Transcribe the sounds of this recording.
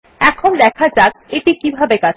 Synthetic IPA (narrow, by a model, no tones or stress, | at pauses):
ɛkʰond̪ɛkʰad͡ʑak̪̚eʈikibʱabekat͡ɕʰ